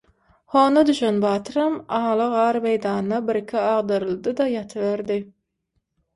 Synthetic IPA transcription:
hoːnɑd̪yʃenbɑːt̪ʰɾɑmɑːlˠɑʁɑːɾmejd̪ɑːnnɑbiɾkʰʲiɑʁd̪ɑɾɯlˠd̪ɯd̪ɑjɑt̪ʰɯβeɾd̪ɪ

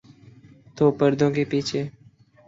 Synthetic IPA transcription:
t̪oːpəɾd̪ʱõːkeːpiːt͡ʃʰeː

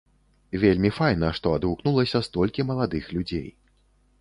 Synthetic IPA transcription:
vʲelʲmʲifajnɐʂt̪ɔad̪vuknulˠɐsʲɐst̪ɔlʲkʲimɐlˠad̪ɨxlʲud͡zʲḛj

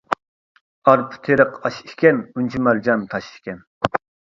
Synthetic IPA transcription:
ɑɾpʰʊ̥t̪ʰeɾəqɑʃiʃkʲɛnunt͡ʃʰimæɾd͡ʒɑnt̪ʰɑʃi̥ʃkʲɛn

